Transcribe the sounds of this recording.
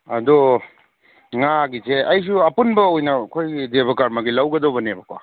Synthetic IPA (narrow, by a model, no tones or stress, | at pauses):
ɐ̰d̪ɔ | ŋaɡiseʔɐjs̬uɐpunbɐojnɐkʰojdebʱɔkaɾmɐɡilawɡɐd̪ɔbɐnebɐkʰwa̰